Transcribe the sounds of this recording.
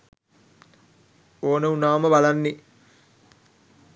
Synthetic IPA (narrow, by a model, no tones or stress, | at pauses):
oːnəunaːməbalanːi